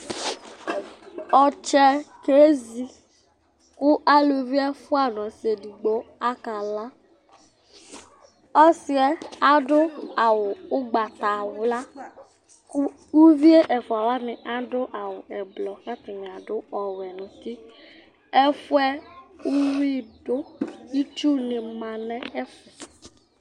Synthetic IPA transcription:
ɔ˨t͡ʃɛ˦ke˦zi˨ | kʊ˦ʔa˦lo˨vi˦ɛ˦fʊ˦a˨n˨ɔ˨si˨e˨di˨ɡ͡bo˦a˦ka˨la˦ | ɔ˦sɪ˦ɛ˦a˦dʊ˦a˨wʊ˨ʊ˦ɡ͡ba˨ta˨wʊ˨˦la˦ | kʊ˦ | u˦vi˦e˦ʔɛ˨fʊ˨a˨wa˦nɪ˨ʔa˦dʊ˦ʔa˨wʊ˨ɛ˨blɔ˨ka˦tɪ˨mi˨a˨dʊ˦ɔ˨wɛ˨nʊ̃˨ti˦ | ɛ˦fʊ˦ɛ˦u˦wi˦dʊ˦i˦t͡ʃu˦nɪ˨mã˨nɛ̃˦ɛ˦fɛ˨

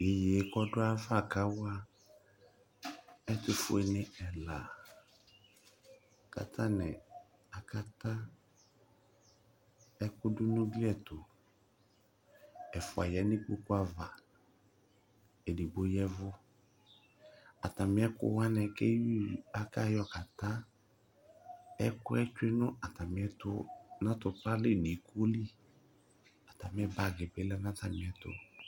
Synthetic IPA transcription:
e˨je˨e˨˦kɔ˦dʊ˦a˦va˦˨ka˦wa˦ | ɛ˦tʊ˨fʊ˦ɛ˨nɪ̃˦ɛ˨la˨ | ka̰˨t̪ʰa˦nɪ˨ | a˨ka˦ta˦ | ɛ˦kʊ˦dʊ˦nʊ̃˦ɡli˦ɛ˨tʊ˨ | ɛ˨fʊ˨a˨jɛ˨˦nĩ˦k͡pu˦kʊ˦a˦va˨ | e˨di˨bo˨jɛ˦vʊ˦ | a˨ta˨mɪ̃˨˦ɛ˦kʊ̰˦wa˦nɛ˨kɛ˦i˦˨a˦ka˦˨jɔ˧ka˨ta˦ | ɛ˦kʊ˦ɛ˦t͡ʃe˦nʊ˦a˨ta˨mɪ̃˨˦ɛ˦tʊ˧nã˦tʊ˨pla˦le˦˨ni˨˦ko˦li˦ | a˨ta˨m˨˦ɛ˦ba˨ɡɪ˨be˨˦lɛ˦nã˦ta˨mɪ̃˨ɛ˨tʊ̰˨

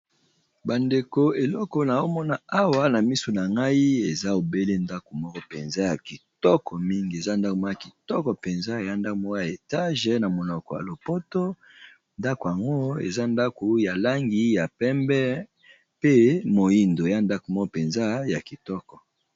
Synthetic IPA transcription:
ba˨nde˨ko˨e˨lɔ˦kɔ˨na˨o˦mɔ˦na˨a˦wa˦na˨mi˦so˨na˨ŋɡa˦i˦e˨za˦o˨be˦le˦nda˦ko˨mɔ˦kɔ˦pe˨nza˦ja˨ki˨tɔ˦kʰɔ˨mi˦ŋɡi˨e˨za˦nda˦ko˨m˦ja˨ki˨tɔ˦kɔ˨pe˨nza˦˨ja˦nda˦ko˨mɔ˦ja˨e˨ta˦ʒe˨na˨mo˨nɔ˨kɔ˨ja̰˨lo˨po˦to˦ | nda˦ko˨ja˨ŋɡo˦ḛ˨za˦nda˦ko˨ja˨la˦ŋɡi˦ja˨pɛ˦mbɛ˦ | pe˦mo˨ji˦ndo˨e˨ja˦nda˦ko˨mɔ˦kɔ˦pe˨nza˦ja˨ki˨tɔ˦kɔ˨

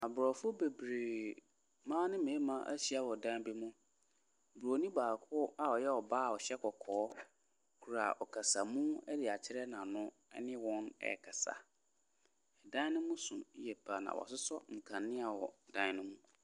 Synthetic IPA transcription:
a˨bɾɔ˨fʊ˦be˨bɾe˨ | mãː˦nɪ̃˦mẽ˨˦mã˦ʔæ̰˦ɕi˦a˦wɔ˨dã˦n˦bi˦mʊ̃˦˨ | bu˨ɾo˨nĩ˦baː˨kʰʊ˦a˨ɔ˨jɛ˦ɔ˨baː˦˨ɔ˨ɕɛ˦kʰɔ˨kʰɔː˨˦ | kʰu˨ɾa̰˨ʔɔ˨kʰa˨sa˨mũ˦ɛ˦dɪ˨a˨t͡ɕʰɪ˦ɾɛ˦nã˨nʊ̃˦ | ɛ̰˦nɪ̃˦wɔ̃˦nɛ̰˨kʰa˨sa̰˨ | ɛ˨dã˦nʊ̃˦mũ˦sũ˨˦jɛ˨pʰa˨nã̰˨wɔ̰˨sʊ˦sɔ˦ŋ̩˨kʰã˨nːɪ̃˦a˨wɔ˨dã˦n˦nʊ̃˦mũ˦

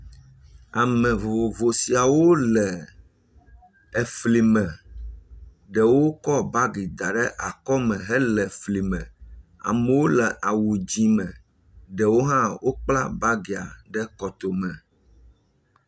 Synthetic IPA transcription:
a˨mɛ̃˨vo˨vo˨si˨a˨wo˦lɛ˨ | ɛ˨fli˨mɛ̃˨ | ɖɛ˨wo˦kɔ˦ba˦ɡi˨d̪a˨ɖɛ˦ʔa˨kɔ˦mɛ̃˨ɦɛ˦lɛ˨fli˨mɛ̃˨a̰˨mɛ˨wo˦lɛ˨ʔa˨wu˨d͡ʑi˦mɛ̃˨ | ɖɛ˨wo˦ɦã˦wo˦k͡pla̰˦ba˦ɡe˨a̰˨ɖɛ˦kɔ˨t̪o˨mɛ̃˨

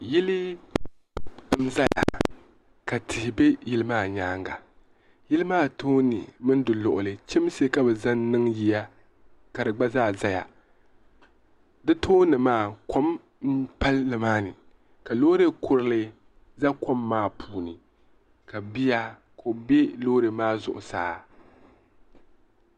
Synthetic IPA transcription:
jɪ˦li˦ | m˦za˦ja̰˨ | ka˨tʰɪ˨hɪ˨be˦jɪ˦lɨ˦maː˦˨ɲaː˦ŋɡa˨ | jɪ˦lɨ˦maː˦tʰoː˦nɨ̰˨mɨ˦n˦dɨ˨lʊ˨ʔʊ˨lɨ˨t͡ʃɪ˦mse˦ka˦bɛ˨za˦nnɨ˦ŋji˨ja˦ | ka˨dɨ˨ɡ͡ba˦zaː˦za˦ja̰˨ | dɨ˦tʰoː˦nɨ˨maː˦˨ko˦m | n̩˦pa˦lːɨ˨maː˦nɨ˨ | ka˨loː˦ɾe˦kʊ˨ɾɨ˦lɨ˦ | za˦ko˦mːaː˦˨pʰuː˨nɨ˨ | ka˨bi˦ja˦ | kʰo˨be˦lo˦ɾe˨maː˦zʊ̰˨ʔʊ̰˨sa̰ː˨˦

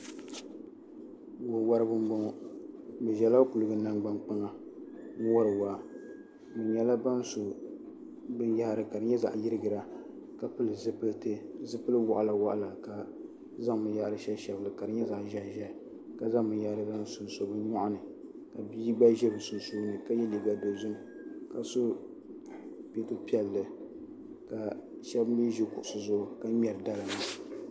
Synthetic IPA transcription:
wʊ˨wa˦ɾɨ˦bɨ˦m˦bo˦ɔ˦bɛ˨ʒɛ˨la˦ku˨lɨ˨ɡɨ˦na˦ŋɡ͡ba˦ŋk͡pa˦ŋa˨˦ | wa˦ɾɨ˨wa˨ | bɨ˨nɲɛ˦la˦ba˦n˦so˨ | bɨ˦nja˦ha˦˨ɾɨ˨ka˨dɨ˨ɲɛ˦za̰˨ʔjɪ˦ɾɨ˦ɡɨ˨ɾa˨ | ka˨pɨ˦lɨ˨zɨ˦pɨ˦ltɨ˦zɨ˦pɨ˦lɨ˦wa˨ʔa˨la˨wa̰˦ʔa̰˦la˨ka˨ | za˦ŋbɨ˨nja˦ʔɾɨ˦ʃɛ˦ʃɛ˨blɨ˨ka˨ɾɨ˨ɲɛ˦za˨ʔʒɛ˦ʒɛ˦˨ | ka˨za˦ŋbɨ˨n˦ja˨ʔɾɨ˦ba˦n˦sʊ˨nso˨bɨ˦ɲɔ˦ʔʊ˦nɨ˨ | ka˨bi˦ɡ͡ba˦ʒɛ˦bɨ˨sʊ˨nso˦bnɨ˨ka˦jɛ˦li˨ɡa˦do˨zʊ˦m˨ | ka˨so˦ | pe˦tu˦pi˦ɛ˨lːɨ˨ | ka˨ʃɛ˦bni˦ʒi˦kʊ˨ʔʊ˨sɨ˨zʊ˦ʔʊ˨ka˦mʲɛ˨ɾɨ˨da˦ɾɨ˨ma˦

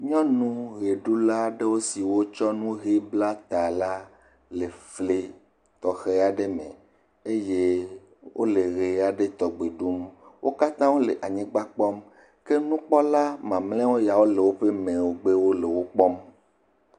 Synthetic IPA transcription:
ɲɔ̃˦nũ˦ɣe˨ɖu˦la˦ɖe˦wo˦si˨wo˦t͡ʃɔ˦nũ˦ɦe˦bla˦t̪a˨la˦ | le˨fle˨ | t̪ɔ˨xe˦a˨ɖe˦mḛ̃˨ | e˦je˦ | wʔo̰˦le˨ɣe˨a˨ɖe˦t̪ɔ˨ɡ͡be˨ɖu˦mwʔo˦ka˦t̪ã˦wo˦le˨ʔa˨ɲĩ˦ɡ͡ba˦k͡pɔ˦m | ke˦nũ˦k͡pɔ˦la˦mã˨mlɛ̃˦wo˦ja˨wo˦le˨wo˦ɸe˦mẽ˨wo˦ɡ͡be˦wo˦le˨wo˦k͡pɔ˦m

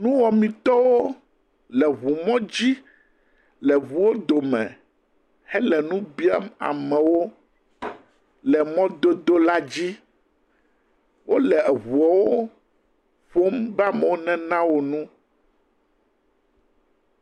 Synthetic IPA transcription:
nũ˦wɔ˨mĩ˨t̪ɔ˦wo˦ | lɛ˨ɦu˨mɔ̃˦d͡ʑi˦ | lɛ˨βu˨wo˦d̪o˨mɛ̰̃˨ | hɛ˦lɛ˨nũ˦bi˦a̰˦ma̰˨mɛ̃˨wo˦ | lɛ˨mɔ̃˦d̪o˦d̪o˦la˦d͡ʑi˦ | wo˦lɛ˨ɛ˨ɦu˨ɔ˨wo˦ | ɸo˦mba˦mɛ˨wo˦nɛ̃˦nã˦wo˨nũ˦

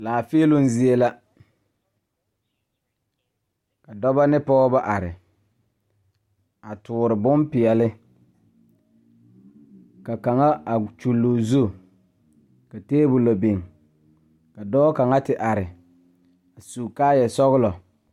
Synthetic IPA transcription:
laː˨fe˦lʊ˦n˦zi˦e˦la˦ | ka˨dɔ˦ba˦nɪ˦pɔ˦ba˦ʔa˨ɾɪ˨ | a˨tʊː˨ɾɪ˨bʊ˦mpɪ˨ɛ˨lɪ˦ | ka˨ka˨ŋa˦a˨t͡ʃu˨lːo˨zu˦˨ | ka˨teː˦bʊ˨la˨be˨ŋ | ka˨dɔ˦ka˨ŋa˦tɪ˨ʔa˨ɾɪ˨ | a˨su˨kaː˦jɛ˨sɔ˦ɣʊ˦lɔ˨

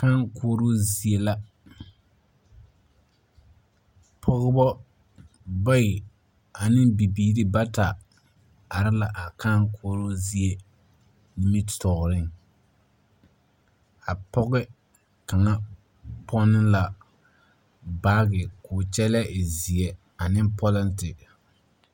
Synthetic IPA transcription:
ka˦ŋkʰoː˦ɾo˦zi˨e˦la˦ | pʰɔ˦ɣɪ˦bɔ˦ | ba˦ɪ˨ | a˨nɪ˦ŋbi˨biː˨ɾɪ˦ba˦ta˨ | a˨ɾɪ˦la˨ʔa˨ka˦ŋkʰoː˦ɾo˦zi˨˦e˦ | ni˦mi˦ttɔ˨ɣɾɪ˦ŋ | a˨pɔ˦ɣɪ˦ | ka˨ŋa˦ | pʰɔ˦nɪ˦la˨ | baː˦ɡɪ˨kʰʊː˨t͡ʃɛ˦lɛ˦ʔɪ˨zi˨ɛ˨ | a˨nɪ˦mpɔ˦lɛ˦ntɪ˨

